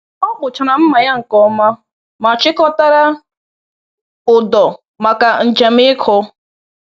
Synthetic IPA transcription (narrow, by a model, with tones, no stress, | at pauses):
ɔ˦bʊ˨t͡ʃa˨na˨m̩˦ma˨ja˦ŋ̩˨kɔ˦ma˦ | ma˨t͡ʃɪ˦kɔ˦ta˦ɾa˦ | ʊ˨dɔ˨ | ma˨ka˨n̩˨d͡ʒe˨mɪ˦kʰʊ˦